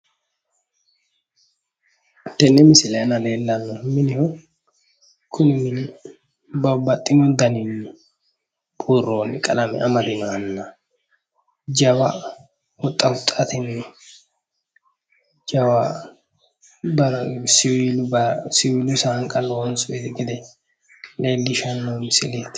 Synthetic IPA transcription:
t̪ɛnːɛmɪsɪleːnɐleːlːɐnːʊmɪnɪhɔ | kʰʊnɪmɪnɪ | bɐbɐt̪ʼːɪmʊd̪ɐninʊ | bʼuroːnːɪkʼɐlɐmɛ̰ʔɐmɐd̪ɪnanːɐ | d͡ʒɐwa | hʊt̪ʼːɐhʊt̪ʼːat̪ɪnɪ | d͡ʒɐwa | bɐɾsɪwilʊbɐsɪwiːlʊsaŋkʼɐlonsʊet̪ɡɛd̪ɛ | le̞ːlːɪʃɐnːomɪsɪleːt̪

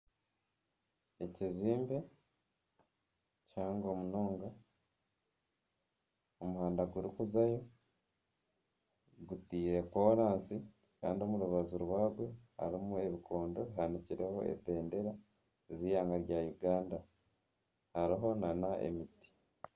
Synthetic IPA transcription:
e̞ciziːmbe̞ | caːŋɡo̞muno̞ːŋɡa | omuhaːndaɡuɾikuzajo̞ | ɡutiːɾe̞koɾaːnsi | ka̰ːndio̞muɾuβaziɾwaːɡwe̞ha̰ɾimue̞βikʰo̞ːndo̞βiɦaniciɾe̞ho̞̰ḛbe̞ːnde̞ɾa | ziːjaːŋɡaɾjajuɡaːnda | haɾiɦo̞nanaʔḛmiti̥

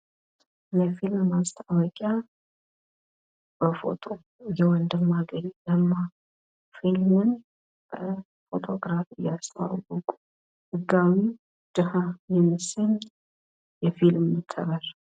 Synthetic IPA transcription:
jɛfilmːast̪ʰawɔkʼja | b̥əfo̞̰t̪ʼʰo | jɛwɔnd̪ɨmːaɡəɾiləmːa | filmɨn | b̥ə | fo̞t̪ʰʼo̞ɡɾafɨjast̪ʰəwa̰wwʊkʼu | hɨɡːawi | d̪̥ɨhajɛmːɨsən | jɛfilmːɨt̪ʰːə̰βəɾ

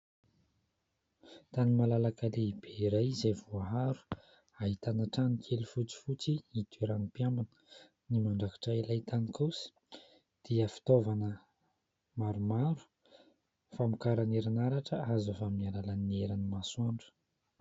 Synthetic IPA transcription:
t̪animalalakaleib̥eiɾajizevuaɦaɾu̥ | aɦit̪anaʈ͡ʂanikʰelufut͡si̥fut͡siit̪iɾanipjambanə̥ | nimaɳɖ͡ʐaki̥ʈ͡ʂailajt̪anikʰusə̥ | d̪̥iəfi̥t̪ovanə | maɾumaɾu̥ | famukaɾaneɾanaɾaʈ͡ʂəazafaminalalaneɾanimasaɳɖ͡ʐə̥

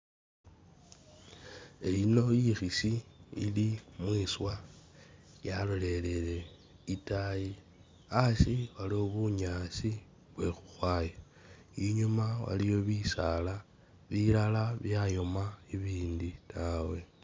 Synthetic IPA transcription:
eino̞jixisiḭlimwiːswa | jalo̞le̞le̞le̞ | itaji | asiβalioβuɲasi | βwe̞xu̥xwaːja | iɲumawa̰lijo̞βisala | βilalaβjajo̞maiβiːnditʰawe̞

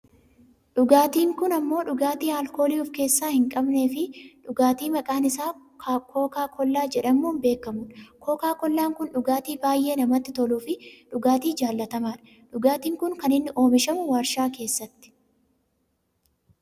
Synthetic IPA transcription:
ᶑʊɡaːt̪iːŋkʊnɐmːo̞ːᶑʊɡaːt̪iːhaːlko̞ːliːʊfke̞ːsːaːhɪŋkʼɐbne̞ːfɪᶑʊɡaːt̪iːmɐkʼaːnɪsaː | kʰoːkaːkʰɔlːaːd͡ʒɛᶑɐmːuːnbe̞ːkːɐmʊnkoːkaːkɔlːaːŋkʊnᶑʊɡaːt̪iːbaːjʔe̞ːnɐmɐt̪ːɪt̪ɔluːfɪᶑʊɡaːt̪iːd͡ʒaːlːɐt̪ɐmaːᶑɐ̥ | ᶑʊɡaːt̪iːŋkʊŋkɐnɪnːɪʔo̞ːmɪʃɐmʊwaːɾʃaːke̞ːsːɐt̪ːɪ̥

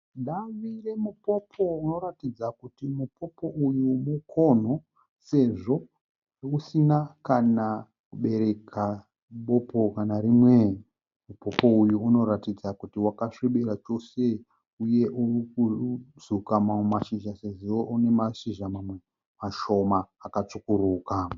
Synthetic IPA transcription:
nɗaʋire̞mupo̞pʰo̞uno̞ɾatid͡zakutimupo̞po̞ʔujumukʰo̞n̤o̞ | se̞ʐo̞ | usinakana | kuɓe̞ɾe̞kʰa | ɓopo̞kanaɾimwe | mupo̞po̞ujuuno̞ɾatid͡zakutiwakaʂiɓeɾat͡ʃo̞se̞ | uje̞ʔurikuzukamaumaʃiʒase̞ʐoune̞maʃiʒamame | maʃo̞maːkat͡sukuɾuːkaːa

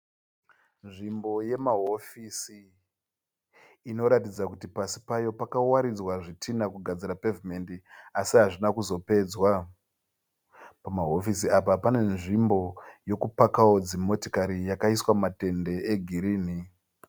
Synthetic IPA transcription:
nʐimbo̞je̞maɦo̞fisi | no̞ɾatid͡zakutipasi̥pajo̞pakawaɾid͡zwaʐitʰinakuɡʱad͡zirape̞vime̞ndiasiɦaʐinakuzo̞pe̞d͡zwa | pamaɦo̞fisiapapane̞nʐimbo̞jo̞kupakawod͡zimo̞tokaɾijakaiswamate̞nde̞eɡʱiɾiːni

